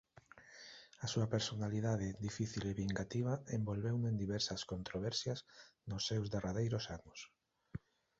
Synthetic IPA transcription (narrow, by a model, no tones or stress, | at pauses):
asuɐpeɾsonaliðaðɪðifiθileβiŋɡat̪iβ̞ɐembolβewnẽnd̪iβɛɾsɐskont̪ɾoβ̞ɛɾsjɐsnʊsːewzðerað̞ejɾʊsanʊs